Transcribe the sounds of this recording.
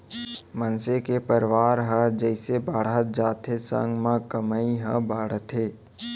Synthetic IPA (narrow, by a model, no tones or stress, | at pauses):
mənsekepəɾʋaːɾɦəd͡ʒəɪsebaːɽ̤at̪̚d͡ʒaːt̪ʰesə̰̃ŋɡmãkəməĩɦəbaːɽ̤t̪ʰeː